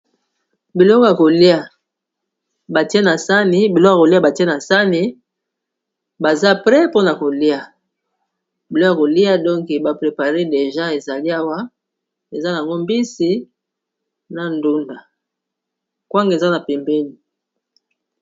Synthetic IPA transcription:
bi˨lɔ˦ko˦ja˨ko˨li˦a˨ | ba˨ti˦e˦na˨sa˦ni˨bi˨lɔ˦a˨ko˨li˦a˦ba˨ti˦e˦na˨sa˦ni˨ | ba˨za˦pʁɛ˦po˦na˨ko˨li˦a˨ | bi˨lɔ˦ja˨ko˨li˦a˦dɔ˦ŋke˨ba˨pʁe˨pa˨ʁe˦de˨ʒa˦e˨za˨li˦a˦wa˦ | e˨za˦ja˨ŋɡo˦mbi˦si˨ | na˨ndu˦nda˨ | kwa˦ŋɡe˨za˦na˨pe˨mbe˦ni˨

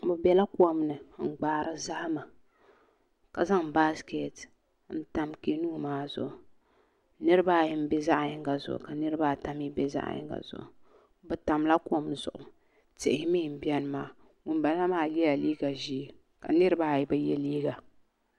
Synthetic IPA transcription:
bɨ˨bɛ˨la˦ku˦ɔ˦mnɨ˨ŋ͡m̩˨ɡ͡baː˨ɾɨ˦za˦hma˨ | ka˨za˦ŋba˦ske˨t | n̩˦ta˨mke˦nuː˦maː˦zʊ̰˨ʔʊ˨ | nɨ˦ɾɨ˦baː˦ji˦m˦be˦za˦ʔɲɪ˦ŋɡa˨zʊ̰˨ʔʊ̰˨ka˨nɨ˦ɾɨ˦baː˦ta˦m˦i˦be˦za̰˦ʔjɪ̰˦ŋɡa̰˨z̥ʊ̰˨ʔʊ̰˨ | bɨ˨ta˨mla˦ku˦o˦mnɨ˨z̥ʊ̰˨ʔʊ˨ | tɪ˦˨ɪ˨hɪ˦mi˦˨m̩˨bi˦ɛ˦nɨ˦maː˦ | wʊ˨nba˨la˦maː˦li˦a˨liː˦ɡa˨ʒi˦ | ka̰˨nɨ˦ɾɨ˦baː˦ji˨˦bɨ˨˦jɛ˦liː˦ɡa˨

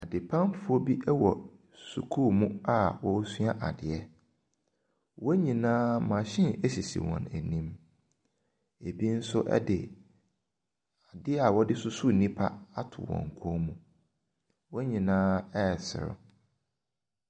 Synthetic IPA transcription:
a˨dɪ˨pʰã˦mfʊ˦ɔ˦bi˦ʔɛ˦wɔ˨ | su˨kʰu˦mũ˦a˨wɔ˦su˦a˦ʔa˨dɪ˨ɛ˦ | wɔ˦ɲĩ˨nãː˦mã˨ɕɪ̃˦nɛ˦ɕi˨sḭ˨wɔ̰̃˨næ˨nĩ˦m | e˨bi˦n̩˦sʊ˦ʔɛ̰˦dɪ˨ | a˨dɪ˦ɛ˦a˨wɔ˦dɪ˦sʊ˦su˦˨nĩ˦pʰa˦a˦tʰʊ˨wɔ̰̃˨ŋ̩˨kʰɔ̃˦mũ˨ | wɔ˦ɲĩ˨nãː˦ɛ˦˨sɪ̰˨ɾʊ̰˨

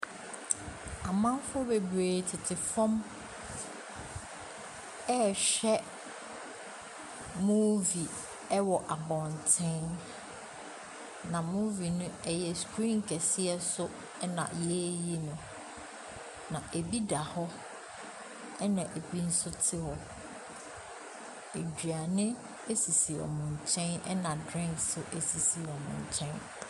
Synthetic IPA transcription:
a˨mã˦m˦fʊ˦ʊ˦be˨bɾeː˨tʰɪ˨tʰɪ˨fɔ̃˦m | ɛ˦ɕᶣɛ˦ | mũ˦vi˨ | ɛ˦wɔ˨ʔa˨bɔ̃˨ntʰɛ̃˦n | nã˨mu˦vi˨nʊ̃˦ɛ˦jɛ˨skʰɾĩ˦˨ŋ˨kʰɛ˨sɪ˦ɛ˨sʊ˦ | ɛ˦nã̰˨jɛ˦je˦nʊ̃˨ | nã˨ʔe˨bi˦da˨hɔ˦ | ɛ˦nã˨ʔe˨bi˦n̩˦sʊ˦tʰɪ˦hɔ˨ | e˨d͡ʑᶣɥa˨nɪ̃˦ | e˦si˨si˨ɔ̰˨mʊ̃˨ɲ˨t͡ɕʰɛ̃˦nɛ̰˦nã˨dɾɪ̃˦ŋksʊ˦ʔe˨si˨si˨ɔ˨mʊ̰̃˨ɲ˨t͡ɕʰɛ̃˦n

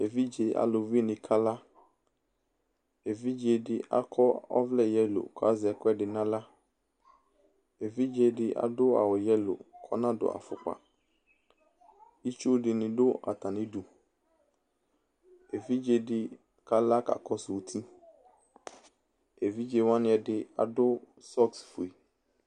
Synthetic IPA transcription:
e˨vi˦d͡ʒe˨a̰˨lo˨vi˦nɪ̃˨kʰa˦la˦ | e˨vi˦d͡ʒe˨dɪ˨ʔa̰˦kʰɔ˦ɔ̰˦vlɛ˦˨jɛ˦lo̰˨kɔ˨a˦zɪ˨ɛ˨kɔ˦ɛ˦dɪ˨nã˦la˦ | e˨vi˦d͡ʒe˨dɪ˦ʔa̰˨dʊ˦a̰˨wɔ˨jɛ˦lʊ̰˨kʰɔ̰˦nã˦dʊ̰˨a̰˨fʊ̰˨k͡pa̰˨ | i˦t͡ʃu˦dɪ˨nɪ̃˨dʊ˦a̰˨t̪ã˨nɪ̃˦du˨ | e˨vi˦d͡ʒe˨dɪ˦ | ka˨la˦ka̰˨kʰɔ˦sʊ˨t̪ʰi˦ | e˨vi˦d͡ʒe˨wã˦nɪ̃˦ɛ˨dɪ˨a̰˨dʊ˦ | sɔ˦ksfo˨i˨

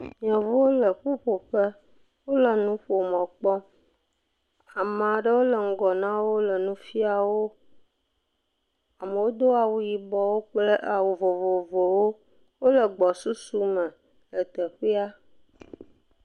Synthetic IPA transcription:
ɲ˨ɔ̃˨vo˦wo˦lə˨ɸu˦ɸo˨ɸə˦ | wo˦lə˨nũ˦ɸo˨mɔ̃˨k͡pɔ˦ | a˨mã˨ɖə˦wo˦lə˨ŋ̩˦ɡɔ˨nã˦wo˦lə˨nũ˦fi˦a˨wo˦ | a˨mə˨wo˦d̪o˦a˨wu˨ji˨bɔ˨wo˦k͡plə˦ʔa˨wu˨vo˨vo˨vo˨wo˦ | wo˦lə˨ɡ͡bɔ˨su˦su˦mə̃˨ | ə˨t̪ə˨xi˦a˦

